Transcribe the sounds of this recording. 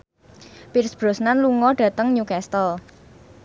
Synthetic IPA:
pirsb̥ɾɔ̤snanluŋɔɖ̥ä̤t̪əŋɲukɛst̪əl

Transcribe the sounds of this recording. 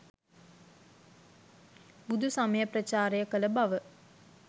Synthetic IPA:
bud̪ʱusaməjəprət͡ʃaːɾejəkələbaʋə

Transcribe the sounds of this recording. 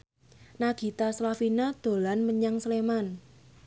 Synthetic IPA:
naɡ̥i̤t̪aslafinad̪̥o̤lanməɲaŋsleman

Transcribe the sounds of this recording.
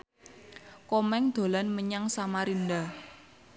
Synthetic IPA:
kɔmɛŋd̪̥o̤lanməɲaŋsamaɾind̪a

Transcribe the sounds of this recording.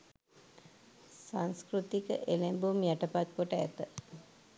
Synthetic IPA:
saŋskɾut̪ikəʔelembumjæʈəpat̪̚koʈəæ̰t̪ə

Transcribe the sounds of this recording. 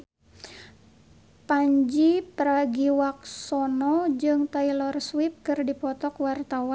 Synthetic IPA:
paɲd͡ʒipəɾaɡiwak̚sɔnɔd͡ʒɨŋt̪ailɔrswip̚kɨrdipɔt̪ɔkwart̪awa

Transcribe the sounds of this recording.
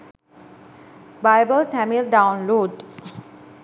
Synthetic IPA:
baɪbəlʈæmilɖãʊ̃nloːɖ

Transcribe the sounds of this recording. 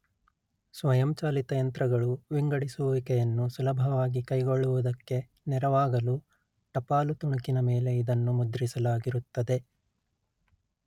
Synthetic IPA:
sʋɐjɐmt͡ʃaːlit̪ɐjɐnt̪ɾɐɡɐɭuʋiŋɡɐɽisuːʋikɛjɐnːusulɐbʱɐʋaːɡikɐjɡoɭːuʋud̪ɐkːe̞ | nɛɾɐʋaːɡɐlu | ʈɐpaːlut̪uɳɐkinɐme̞ːle̞id̪ɐnːumud̪ɾisɐlaːɡiɾut̪ːɐd̪e̞

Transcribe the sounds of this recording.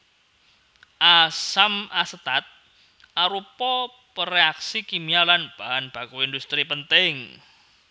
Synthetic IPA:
ʔasamasət̪at̪̚ | ʔaɾupɔ | pəɾeaksikimialanb̥aɦanb̥a̤kuind̪ust̪ɾipənt̪ɪŋ

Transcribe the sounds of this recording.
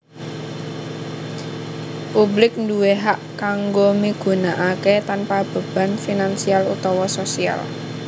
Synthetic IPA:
publɪk̚nduweɦaʔkaŋɡomiɡ̥ṳnaʔaket̪anpab̥ə̤b̥a̤nfinansialṵt̪ɔwɔsosia̰l

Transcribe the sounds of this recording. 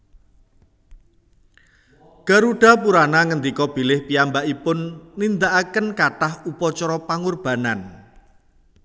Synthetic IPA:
ɡ̥a̤ɾuɖ̥a̤puɾanaŋənd̪ikɔb̥ilɪhpiambaʔipʊnːind̪aʔakənkaʈahupɔt͡ʃɔɾɔpaŋurb̥a̤nan

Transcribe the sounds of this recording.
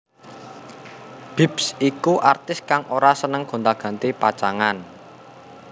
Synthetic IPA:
b̥i̤psikuʔart̪ɪskaŋʔoɾasənəŋɡ̥o̤nd̪aɡ̥ä̤nt̪ipat͡ʃaŋan

